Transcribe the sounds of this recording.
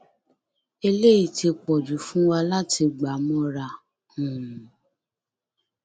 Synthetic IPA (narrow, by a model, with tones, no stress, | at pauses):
e˧le˦i˦˨ti˧k͡pɔ˨du˨˦fũ˦wa˧la˦tʰi˧ɡ͡ba˨˦mɔ̃˦ɾa˧˨ | ũ˨